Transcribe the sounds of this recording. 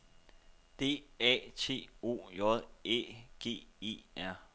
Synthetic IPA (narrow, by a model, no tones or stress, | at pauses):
d̥e̝̰ːɛ̰ːt͡sʰe̝̰ːo̝̰ːjɒðˠḛːɡ̥e̝̰ːḛːæɐ̰